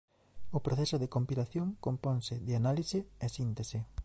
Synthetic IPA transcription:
ʊpɾoθɛsoðekompilaθjoŋkompɔŋsɪðɪanaliseesint̪ese

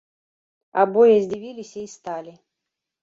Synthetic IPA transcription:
a̰bojɛzʲdʲivʲilʲisʲaist̪alʲɪ

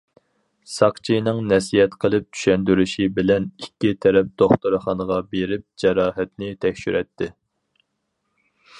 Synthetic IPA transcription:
sɑqt͡ʃʰijnɨŋnɛsijɛt̪qʰəlˠɨp̚t͡ʃ̪ʰy̥ʃɛnd̪yɾyʃibɪlɛnikʲːit̪ʰɛɾɛp̚d̪̥oχt̪uɾɨχɑnəʁɑbeɾɪp̚d͡ʒɛɾɑːɦɛt̪nɪt̪ʰɛkʲʃyɾʔɛt̪ʰːɪ

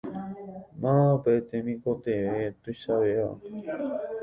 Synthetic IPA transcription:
mãpet̪emĩkot̪eet̪usawea̰

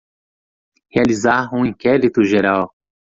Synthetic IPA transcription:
healizaɾũĩkɛɾit̪ʊʒeɾaw

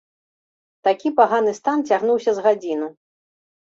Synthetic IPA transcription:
t̪akʲipaɣanɨst̪ant͡sʲaɣnuwsʲɐzɣad͡zʲinu

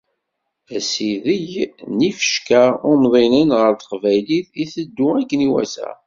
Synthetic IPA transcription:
æsiðəʝnifə̥ʃkaʊmðˤinənʁəɾt̪ə̥qvæjliθiθəd̪ːuækːniwæ̰sæ̰

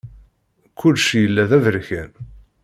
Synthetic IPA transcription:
kʰːʊlʃjəlːæðævəɾçæn

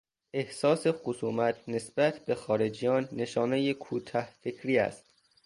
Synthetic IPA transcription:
ʔe̞hsɒːse̞xosuːmæt̪ʰne̞sbæt̪ʰb̥e̞xɒːɾe̞d͡ʒijɒːnːe̞ʃɒːne̞jekʰuːt̪ʰɒhfecʰɾiːæ̰st̪̚

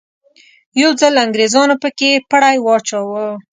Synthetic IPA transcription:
jawd͡zəlaŋɡɾezɑnopəkepəɽajwɑt͡ʃɑwə

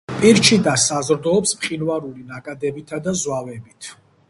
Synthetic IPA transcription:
pʼiɾt͡ʃʰid̪asazɾd̪ɔːpsmχʼinvaɾulinakʼad̪ɛbit̪ʰad̪azwavɛbit̪ʰ

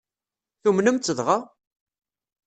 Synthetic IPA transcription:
θumnəmt͡s̪ːəðʁa

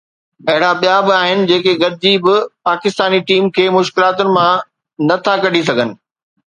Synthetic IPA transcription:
ɐɦɪɽabijabɪaːɦɪnɪ̆d͡ʑeːkeɡɐɾ̚ɪd͡ʑiːbɪpaːkɪst̪aːniʈiːmkʰeːmʊʃkɪlaːt̪ʊnɪ̆mã | nɐt̪ʰakɐɖ̤ʱis̬ɐɡʱənɪ̆

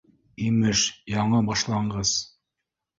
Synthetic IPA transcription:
imɘʃjɑɴɤbɑʃlˠɑɴɢɤz̥

